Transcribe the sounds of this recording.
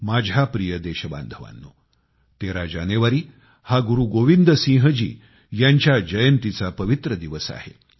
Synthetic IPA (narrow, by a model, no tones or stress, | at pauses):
mad͡ʑʱjapɾijəd̪eɕəba̰nd̪ʱəʋa̰nːu | t̪eɾad͡ʑaneʋaɾiː | haɡuɾuɡoʋind̪əsĩɦəd͡ʑḭː | jaɲt͡ɕjad͡ʑəjənt̪it͡sapəʋit̪ɾəd̪iʋəsa̰hḛ